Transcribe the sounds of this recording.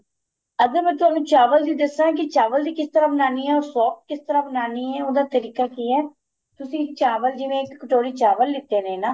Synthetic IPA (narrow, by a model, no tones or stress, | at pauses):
əɡəɾmɛ̃ːt̪ʊɦaːnũːt͡ʃaːʋəld̪iːd̪ɪsãːk̬ɪt͡ʃaːʋəld̪iːkɪst̪əɾaːbənaːniːɛːɔːɾsɔːk̚kɪst̪əɾaːbənaːniːɛːoːd̪aːt̪əɾiːkaːkiːɛː | t̪ʊsĩːt͡ʃaːʋəld͡ʒɪʋẽːɪkːəʈoːɾiːt͡ʃaːʋəlːɪt̪ːeːnẽːnaː